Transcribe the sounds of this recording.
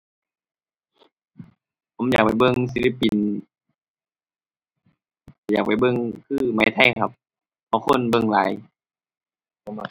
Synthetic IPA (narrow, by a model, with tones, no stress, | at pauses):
pʰo˨˦mjaː˨˩k̚pa˨˩jbɤ˧˨ŋs̬i˧˦li˧˥˩pi˨˩n˧˩ | jaː˨˩k̚pa˨˩jbɤ˧˨ŋkʰɯː˧˥˨ma˨˧˦jt̪ʰa˧˩jkʰa˧p̚ | ʔa˧˩kʰo˧˥˨nbɤ˧˨ŋla̰ː˨˦j